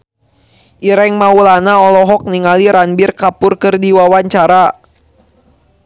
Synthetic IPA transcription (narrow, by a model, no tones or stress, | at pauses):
ʔiɾɛŋmaulanaɔlɔɦɔk̚niŋaliɾanbirkapʊrkərdiwawaɲt͡ʃaɾa